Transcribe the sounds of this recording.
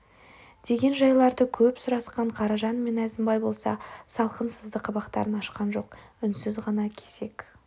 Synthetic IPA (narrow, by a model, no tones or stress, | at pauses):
d̪̥e̞ɡʲe̞nʒɑjlˠɑɾd̪əkʲʰɵpsʊɾɑsqɑɴqʰɑɾɑʒɑnme̞næzɪmbɑjbo̞lˠsɑ̰sɑlˠqənsəzd̪əqʰːɑbɑqt̪ɑ̰ɾənɑʃqɑnʒo̞qʏnsɪzʁɑnɑkʲʰe̞sek